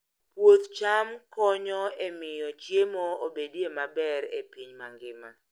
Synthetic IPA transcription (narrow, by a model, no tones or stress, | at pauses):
pwot̪t͡ʃamkɔɲɔemɪjɔt͡ʃjemɔobediemabɛɾepiɲmaŋɡɪma̰